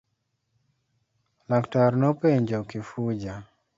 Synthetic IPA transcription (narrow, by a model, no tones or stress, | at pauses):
laktaɾnopeɲd͡ʒɔkɪfud͡ʒa